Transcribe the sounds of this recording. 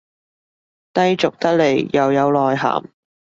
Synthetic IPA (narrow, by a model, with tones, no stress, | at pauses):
t̪ɐ˥jt͡sʊ˨k̚t̪ɐ˥k̚le˨˩jjɐ˨wjɐ˨˧wlɔː˨jɦa̰ː˨˩m